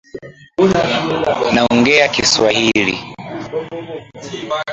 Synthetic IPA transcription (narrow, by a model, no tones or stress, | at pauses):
naɔŋɡɛakiswahilḭ